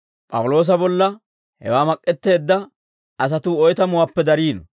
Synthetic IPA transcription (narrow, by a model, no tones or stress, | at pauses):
pʼɐ̰wʊlo̞ːs̬ɐbɔlːɐ | hɛ̰waːmɐkʼːɛt̪ːe̞ːd̪ːɐ | ɐs̬ɐt̪uːɔjt̪ɐmʊwaːpːɛd̪ɐɾiːn